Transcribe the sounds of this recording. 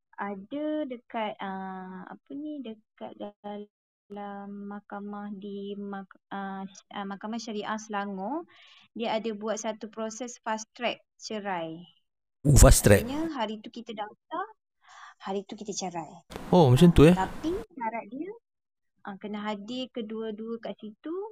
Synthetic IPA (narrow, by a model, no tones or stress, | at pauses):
adədəkat̪̚əa̰pənidəka̰t̪̚daa | lamːakamahdimaəmakamahʃaɾiʔahsəlaŋɔdiəadabuat̪̚sat̪upɾosɛsfast̪ɾɛk̚t͡ʃəɾaj | fast̪ɾɛ̰ɲəɦaɾit̪ukit̪adat̪a | haɾit̪ukit̪ət͡ʃəɾajomat͡ʃant̪uɛt̪apiʃaɾaʔ̪̚diə | ʔakənaʔɦadɪrkəduəduəkaʔsit̪u